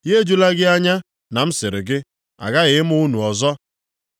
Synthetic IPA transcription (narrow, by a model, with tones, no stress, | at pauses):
je˦d͡ʒu˦la˦ɡɪ˦a˦ɲa˦ | na˨m̩˦sɪ˨ɾɪ˨ɡɪ˦ | a̰˨ɡa˦ɣɪ˨ɪ˦m˦ʊ˦nu˨ɔ˨zɔ˦